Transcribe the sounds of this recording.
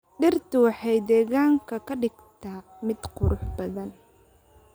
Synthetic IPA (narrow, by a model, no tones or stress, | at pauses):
ɖɪrt̪ʰʊwɑħɑjd̪ɛːɣaːŋkʰɐkʰɐɖɪɡt̪ʰaː | mɪd̪qʊɾʊħbɐðɐn